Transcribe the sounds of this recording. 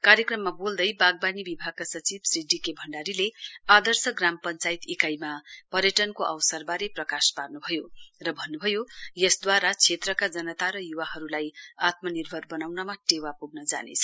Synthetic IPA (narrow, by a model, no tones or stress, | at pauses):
kaɾjekrʌmːabold̪ʌjbaɡ̚banibibʱaɡ̚kasʌt͡sibsriɖikebʱʌɳɖaɾilead̪ʌrsʌɡrampʌnt͡sajit̪ikajmapʌɾjʌʈʌnkoʔʌ̰wsʌrbaɾeprʌkasparnubʱʌjorʌbʱʌnːubʱʌjojʌsd̪waɾat͡sʰet̪rʌkad͡zʌnʌt̪aɾʌjuwaɦʌɾulajat̪̚mʌnirbʱʌrbʌnawnʌmaʈewapuɡ̚nʌd͡za̰nḛt͡sʰʌ̥